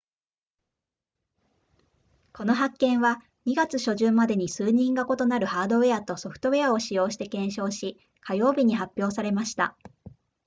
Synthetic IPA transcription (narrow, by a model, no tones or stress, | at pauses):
ko̞no̞ɦakːẽ̞ɰ̃βa | ɲ̟iɡat͡sɨɕo̞ʑɨːmad̪e̞ɲ̟isɨːɲ̟ĩŋɡako̞t̪o̞naɾɯ̟haːd̪o̞βe̞at̪o̞so̞ɸɯ̟̥t̪o̞e̞ao̞ɕijo̞ːɕi̥t̪e̞kẽ̞ɰ̃ɕo̞ːɕi | kajo̞ːbʲiɲ̟iɦapʲːjo̞ːsaɾe̞maɕi̥t̪a̰